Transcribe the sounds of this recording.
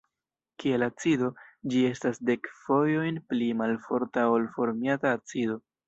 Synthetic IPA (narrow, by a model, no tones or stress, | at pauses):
kie̞lat͡sido̞d͡ʒie̞stasde̞kfo̞jo̞jnplimalfo̞ɾtao̞lfo̞ɾmiataːt͡sido̞